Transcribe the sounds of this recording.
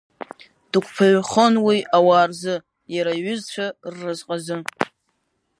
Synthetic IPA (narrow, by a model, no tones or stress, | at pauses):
d̥ɨkʷpʰɨʕʷχonwiʔawaːrzɨ | jaɾaɥʊzt͡ɕʷʰarːɨzqʼazɨ